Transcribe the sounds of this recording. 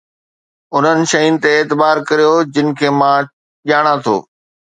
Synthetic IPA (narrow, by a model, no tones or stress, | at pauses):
ʊn̤ənɪ̆ʃɐjʊnɪ̆t̪eːt̪ɪbaːɾkɐɾijod͡ʑɪnɪ̆kʰeːmã | ʄaːɽ̃ãt̪ʰo̰ː